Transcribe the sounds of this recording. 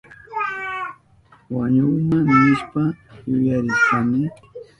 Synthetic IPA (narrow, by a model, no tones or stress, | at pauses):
waɲʊmanɪʃpajʊjaɾɪkamɪ